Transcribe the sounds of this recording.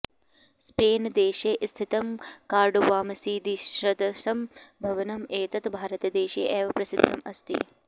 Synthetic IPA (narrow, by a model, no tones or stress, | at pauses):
speːnd̪eːʃeːʔst̪ʰit̪ɐmkaːɾɖuʋaːmɐsiːd̪iʃɾɐd̪ɐsɐmbʱɐʋɐnɐmeːt̪ɐt̪bʱaːɾɐt̪ɐd̪eːʃḛːʔeːʋɐpɾɐsid̪ʱːɐmɐst̪ḭ